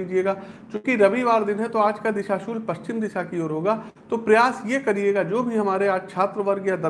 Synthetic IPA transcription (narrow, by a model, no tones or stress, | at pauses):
iːd͡ʒieːɡaːt͡ʃõːkiɾɐʋiʋaːɾd̪ɪnɦɛt̪oaːd͡ʒkad̪ɪʃaːʃuːlpɐʃt͡ʃɪmd̪ɪʃakioːɾɦoːɡaː | t̪opɾɐjaːsjekɐɾieːɡaːd͡ʒoːbʱiɦɐmaːɾeaːd͡ʒkt͡ʃʰaːt̪ɾəʋəɾɡjad̪ɐ